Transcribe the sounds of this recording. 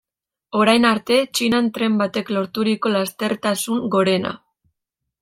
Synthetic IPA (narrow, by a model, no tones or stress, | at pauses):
o̞ɾajnaɾt̪e̞t͡ʃinant̪ɾe̞mbat̪e̞klo̞ɾt̪uɾiko̞last̪e̞ɾt̪asuŋɡo̞ɾe̞na̰